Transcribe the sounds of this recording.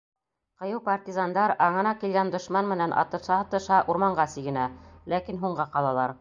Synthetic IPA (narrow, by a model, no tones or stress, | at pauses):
qɤ̆jɤwpart̪ʲizand̪ɑɾɑɴɤ̆nɑkilɡænd̪ŏʃmɑnmɘ̆nænʔɑ̰t̪ɤ̆ʃɑt̪ɤ̆ʃɑʔuɾmɑɴɢɑsiɡɘ̆nælækinɦuɴɢɑqɑlˠɑlˠɑɾ